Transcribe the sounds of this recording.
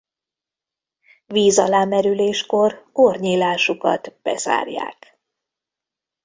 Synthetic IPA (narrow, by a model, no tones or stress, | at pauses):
viːzɒlaːmɛɾyleːʃko̞rorɲiːlaːʃukɒ̰t̪b̥ɛ̰z̥a̰ːrja̰ːk